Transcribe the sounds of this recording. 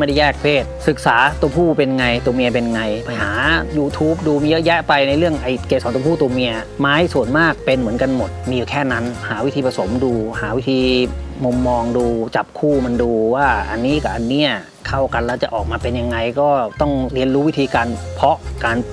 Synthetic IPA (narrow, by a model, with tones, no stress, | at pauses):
da˥˩jɛː˥˩k̚pʰeː˥˩t̪̚sɯ˨˩k̚saː˩˦t̪u˧ɐpʰuː˥˩pe˧nŋa˧jt̪u˧ɐmi˧əp̬e˧nŋa˧jpʰa˧jɦaː˩˦juː˧t̪ʰuː˦˥p̚duː˧m˧jɤ˦˥ʔjɛ˦˥ʔpa˧jna˧jlɯ˥˩əŋʔa˧jkɛː˧˩sɔː˩˦ŋt̪ːpʰuː˥˩t̪u˧ɐmi˧ɐ | maː˦˥jsu˨˩ənmaː˥˩k̚pe˧nmɯ˩˦ənka˧nmo˨˩t̪̚miː˧juː˨˩kʰɛː˥˩na˦˥nhaː˩˦wi˦˥t̪ʰiː˧pʰa˧so˩˦mduː˧haː˩˦wi˦˥t̪ʰiː˧mu˧mːɔː˧ŋduː˧t͡ɕa˨˩p̚kʰuː˥˩ma˧nduː˧waː˥˩ʔa˧nːiː˦˥ka˨˥˩ʔa˧nːiː˦˥ɐ | kʰa˥˩wka˧nlɛː˦˥˩wt͡ɕa˨˩ʔɔː˨˩k̚maː˧pe˧nja˧ŋːa˧jkɔː˥˩t̪ɔ˥˩ŋɾi˧ənɾuː˦˥wi˦˥t̪ʰiː˧kaː˧npʰɔ˦˥ʔkaː˧n